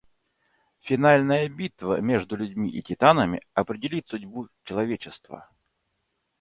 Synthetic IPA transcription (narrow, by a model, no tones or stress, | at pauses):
fʲɪnalʲnəjəbʲit̪və̰mʲeʐd̪ʊlʲʉdʲmʲiʔɪ̰tʲɪt̪anəmʲɪ̰ɐpɾʲɪdʲɪlʲit̪sʊdʲbut͡ɕɪlˠɐvʲet͡ɕɪst̪və̰